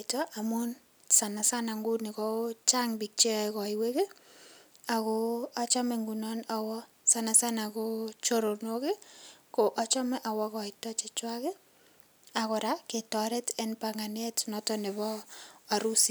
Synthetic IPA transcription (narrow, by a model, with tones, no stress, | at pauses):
tɔ˦ʔa˨mu˦n | sa˨na˨sa˦na˨ŋɡu˦ne˨kɔ˦t͡ʃa˦ŋbi˨k̚t͡ʃe˦kɔ˨ɪ˨we˦ke˦ | a˨koa˦t͡ʃɔ˦mɛ˨ŋɡu˨nɔ˦na˨wɔ˦ | sa˨na˨sa˦nako˦t͡ʃo˦ɾo˨noke˦ko˨ʔa˦t͡ʃɔ˦mɛ˦ʔa˨wɔ˦kɔ˨ɪ˨tɔ˦t͡ʃɪ˨t͡ʃwa˦ke˦ | a˨kɔ˨ɾa˦ke˨tɔ˨ɾɛ˦tɛ˦npaŋa˨n˦ɛ˦tnɔtɔ˦ne˨βɔ˦a˨ɾu˦si˦